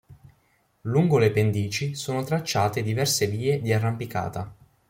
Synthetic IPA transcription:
luŋɡolepend̪iːt͡ʃisoːnot̪ɾat͡ʃːaːt̪ed̪ivɛrseviːed̪iarːampika̰ːt̪a

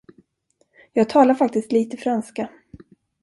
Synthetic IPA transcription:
jɑːɡ̚t̪ʰɑːlaɾfak̚t̪ɪst̪liːt̪əfɾanska

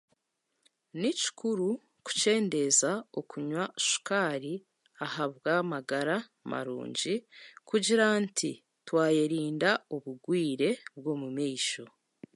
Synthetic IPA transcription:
nici̥kʰuɾu | ku̥ce̞ːnde̞zaokuɲwaʃu̥kaːɾi | ahaβɡamaɡaɾa | mʔa̰ɾṵːɲɟikuɟiɾantʰi | twaːjeɾiːndauβuɡwiːɾe̞bɡoːmumiːʃo

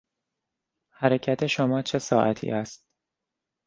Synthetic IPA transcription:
hæɾe̞cʰæt̪ʰe̞ʃomɒːt͡ʃʰe̞sɒːʔæt̪ʰḭːʔæst̪̚

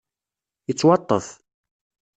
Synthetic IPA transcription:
jət͡sːwɑt̪ˤːə̰θ

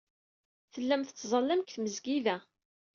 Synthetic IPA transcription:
θəlːæmθət͡sːzˤɑlːæmkθməzɡiðæ

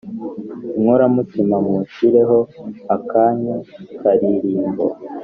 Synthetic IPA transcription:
ŋoɾamutimamuʃiɾe̞ɦo̞akaːɲakaɾiɾiːmbo̰

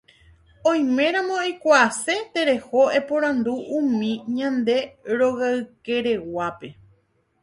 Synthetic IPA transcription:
õj̃mẽ̞ɾ̃ãmõikʷaːse̞t̪e̞ɾe̞ho̞epõɾ̃ãnd̪uʔũmĩɲãnd̪e̞ɾo̞ɣaɨke̞ɾe̞wape̞

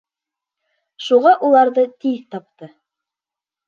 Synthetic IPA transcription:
ʃuʁɑʔulˠɑɾðɤt̪iðt̪ɑp̚t̪ɤ

